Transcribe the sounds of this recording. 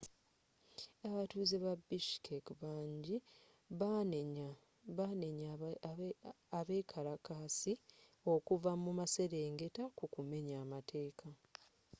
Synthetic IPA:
aβatuːzeβabiʃkʰekβaːɲɟi | aneɲ | aβe̞ːkʰaɾakasio̞kuvamumase̞ɾe̞ːŋɡe̞takukume̞ɲaːmatʰe̞ːkʰa

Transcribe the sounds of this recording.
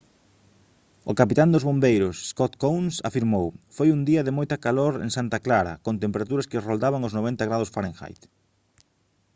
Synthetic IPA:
ʊkapit̪and̪ozβombejɾʊsskot̪kownsafiɾmowfojund̪iɐðɪmojt̪ɐkaloɾḛŋsant̪aklaɾɐ̰kõnt̪empeɾat̪uɾɐskɪrold̪aβaŋoznoβẽnt̪ɐɣɾað̞osfaɾẽŋxa̰jt̪

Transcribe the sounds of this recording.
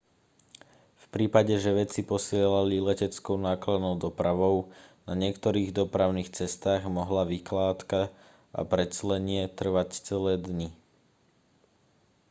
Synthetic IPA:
fpɾiːpaɟɛʒɛʋɛt͡sipɔsɪɛlalilɛcɛt͡skɔʊnaːklad̪nɔʊd̪ɔpɾaʋɔʊnaɲɪɛkt̪ɔɾiːɣd̪ɔpɾaʊniːxt͡sɛst̪aːɣmɔɦlaʋiklaːt̪ka | a̰pɾɛt͡slɛɲɪɛt̪r̩ʋact͡sɛlɛːd̪ɲi

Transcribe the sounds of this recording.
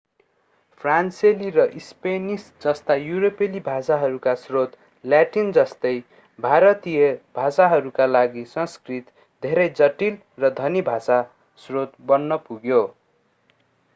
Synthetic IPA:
pʰranselirʌʔispenisd͡zʌst̪ajuɾopelibʱasaɦʌɾukasrot̪ | ljaʈind͡zʌst̪ʌj | bʱaɾʌt̪ijʌbʱasaɦʌɾukalaɡisʌnskrit̪ | d̪ʱeɾʌjd͡zʌʈil | rʌd̪ʱʌnibʱasa | srot̪bʌnːʌpuɡjo

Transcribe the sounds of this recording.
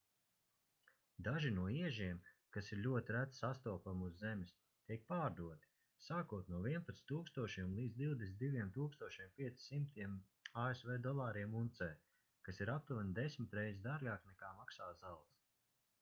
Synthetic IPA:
d̪aʒinuɔiɛʒiɛmkasiɾlʲuɔt̪iɾæt̪sast̪uɔpamuzːemʲis | t̪iɛk̚paːɾd̪uɔt̪i̥ | saːkuɔt̪nuɔviɛnpat̪st̪uːkst̪uɔʃimlˠiːd̪zd̪iwd̪est̪d̪ivʲiɛmt̪uːkst̪uɔʃiɛmpʲiɛt̪si̥simt̪iɛm | aːesvɛːd̪ɔlˠaːɾiɛmunt̪sɛː | kasiɾap̚t̪uvand̪esʲmɪt̪ɾɛjzid̪aɾɡaːknɛkaːmaksaːzalˠs

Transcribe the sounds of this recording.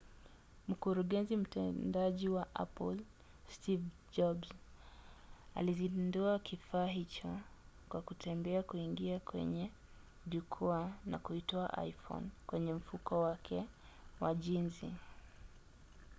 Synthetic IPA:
m̩kuɾuɠɛnzim̩tɛndaʄiwaʔa̰pɔl | stiv | d͡ʒɔbz | a̰lizinduakifaːɦit͡ʃɔ | kwakutʰɛmbɛakuiŋɡiakwɛ̰ɲɛ | ʄukʰɔana̰kuitɔa̰ʔa̰jfɔ̰nkwɛɲɛm̩fukɔwakʰɛ | waʄinzi

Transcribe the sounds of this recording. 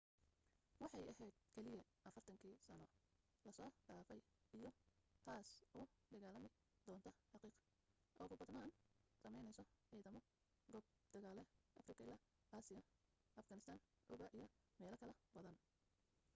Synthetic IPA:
wɑħɑjɐɦɛjd̪̥̚kʰɛlɪjɐʔɐfɐrt̪ʰɐŋkʰiːsɐnɔ | lɐsɔːɡ̥aːfɛj | ijɔt̪ʰaːsɔː | d̪ɐɣaːlɐmɪ | d̪̥ɔːnt̪ʰɐħɑqiːq | ʔɔːɣʊbɐd̪naːnsɐmɛjnɛjsɔʕɛːðɐmɔ | ɡɔːb̚ | d̪̥ɐɣaːlɛʔɐfrɪkʰɐɪlaː | ʔaːsɪjɐ | ʔɐfɡɐnɪst̪ʰaːn | ʔʊbɐʔijɔmɛːlɐkʰɐlɐbɐðɐn

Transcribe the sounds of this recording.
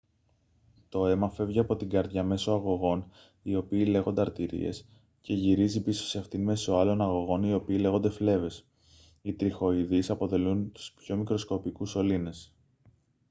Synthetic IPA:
t̪o̞e̞mɐfe̞vʝiɐpo̞t̪iŋɡɐɾðʝɐme̞so̞ɐɣo̞ɣo̞n | io̞piːle̞ɣo̞nd̪e̞ɐɾt̪iɾḭe̞̰s | ce̞ʝiɾizipiso̥seɐft̪inme̞so̞ɐlo̞nɐɣo̞ɣo̞nio̞piːle̞ɣo̞nd̪e̞fle̞ve̞s | it̪ɾixo̞iðisɐpo̞ðe̞lunt̪u̥spço̞mikɾo̞sko̞pikuso̞line̞s

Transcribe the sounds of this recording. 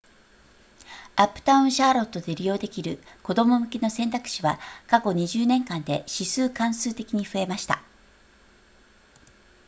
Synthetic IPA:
apːɯ̟̥t̪aɯ̟̃ɰ̃ɕaːɾo̞t̪ːo̞d̪e̞ɾʲijo̞ːd̪e̞kʲiɾɯ̟ko̞d̪o̞mo̞mɯ̟ke̞no̞sẽ̞nt̪akɯ̥ɕiβakako̞ɲ̟iʑɨːnẽ̞ŋkãnd̪e̞ɕisɨːkãɰ̃sɨːt̪e̞kʲiɲ̟iɸɯ̟e̞maɕi̥t̪a̰

